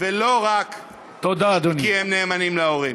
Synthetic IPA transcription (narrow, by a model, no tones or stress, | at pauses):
veloʁak | t̪od̪aːd̪oniihemneːmanimleoʁi